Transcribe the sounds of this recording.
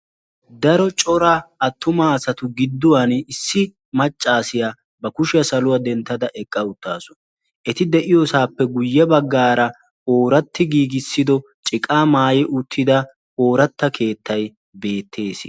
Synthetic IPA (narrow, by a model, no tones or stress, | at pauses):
d̪ɐɾɔt͡ʃʼɔɾaɐt̪ːʊmaːsɐt̪ʊɡɪd̪ːʊwɐnɪsːɪ | mɐt͡ʃʼːaːsɪja | bɐkʊʃɪjɐsɐlʊwɐd̪ɛnt̪ːɐd̪ɐʔɛkʼːɐʊt̪ːa̰ːsɔ̥ | ʔɛt̪ɪd̪ɛʔɪjɔsaːpːɛɡʊjːɛbɐɡːaːɾɐ | oːɾɐt̪ːɪɡiːɡɪsːɪd̪ɔt͡ʃʼɪkʼaːmaːjɛʔʊt̪ʰːɪd̪ɐ | oːɾɐt̪ːɐkʰe̞ːt̪ʰːɐj | be̞ːt̪ʰːe̞ːsɪ